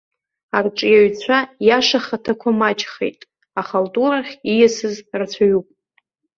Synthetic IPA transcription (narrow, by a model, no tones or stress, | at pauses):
arʈ͡ʂʼjaɥt͡sʷʰajaʂaχatʰakʷʰamat͡ʃχḛjtʼ | aχaltʼuɾaχʲijasɨzrat͡ɕʷʰaɥupʼ